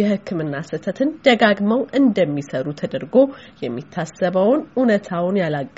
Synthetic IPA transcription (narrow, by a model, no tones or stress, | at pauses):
jɛhɨkːɨmɨnːasɨt̪ʰət̪ʰɨnd̪̥əɡaɡməwʔɨnd̪əmːisəɾut̪ʰəd̪əɾɡo̞jɛmːit̪ʰːasəβəwnunət̪ʰawnjalaɡː